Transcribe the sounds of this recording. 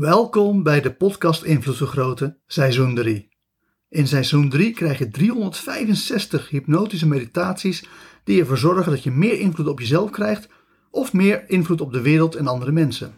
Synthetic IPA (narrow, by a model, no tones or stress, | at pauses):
ʋɛlˠkɔmbɛjdəpɔtkɑstɪnvlutfəɹχrowtəsɛjzundri | ʔɪnsɛjzundrikrɛjχjədriɦɔndəɹtfɛjvənsɛstəχɦipnowtis̬əmejditaːtsisd̥iɛɹvoːɹzɔɹχəndɑtjəmɪːɹɪnvlutɔpjəzɛlˠfkrɛjχt | ʔɔfmɪːɹɪnvlutɔb̚dəʋɪːɾəlˠtɛnɑndəɾəmɛnsə̰n